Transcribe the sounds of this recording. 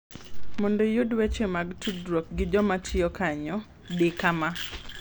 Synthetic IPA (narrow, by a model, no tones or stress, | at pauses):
mondejudwet͡ʃemaɡtʰudɾok̚ɡɪd͡ʒɔmatʰɪjɔkaɲɔ | dekama